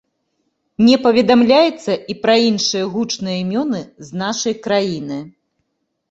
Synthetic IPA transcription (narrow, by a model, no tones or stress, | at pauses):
nʲɛpɐvʲɛd̪amlʲajɛt̪sːɐʔipɾɐinʂɨjɐɣut͡ʂnɨjɐimʲɔnɨznaʂɐjkɾajinɨ